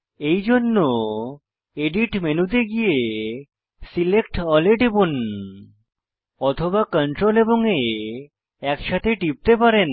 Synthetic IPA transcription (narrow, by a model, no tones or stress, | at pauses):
ejd͡ʑonːo | eɖiʈmenud̪eɡie | silekʈɔleʈebon | ɔt̪ʰobakəɳʈɾoleboŋe | ɛkʃat̪ʰeʈip̚t̪epaɾen